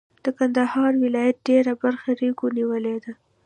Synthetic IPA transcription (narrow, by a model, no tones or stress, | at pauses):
d̪̥əkand̪ahɑɾwɪlɑjat̪̚ɖeɾabaɾxaɾikoniwəled̪a